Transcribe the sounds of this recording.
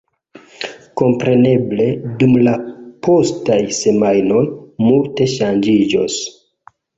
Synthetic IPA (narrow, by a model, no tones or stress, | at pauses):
ko̞mpɾe̞ne̞ble̞dumlapʰo̞stajse̞majno̞jmulte̞ʃand͡ʒid͡ʒo̰s